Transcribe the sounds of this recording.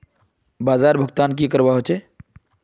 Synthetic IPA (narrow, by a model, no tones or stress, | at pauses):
baːzaɾbʱəɡt̪ankikəɾbaɦot͡ʃe